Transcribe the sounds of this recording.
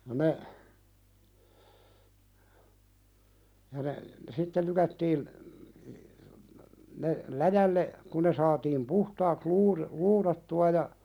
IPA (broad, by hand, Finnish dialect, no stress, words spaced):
jɑ ne jɑ ne sitːe lykætːiːn ne læjælːe kun ne sɑːtiːm puhtɑːks luːɾi luːɾɑtːuɑ jɑ